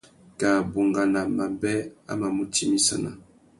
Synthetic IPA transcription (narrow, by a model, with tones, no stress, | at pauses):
ka˨bo˨ŋɡa˨na˨ma˨mbɛ˦a̰˦ma˨mu˦tʰi˦mi˦sa̰˨na̰˨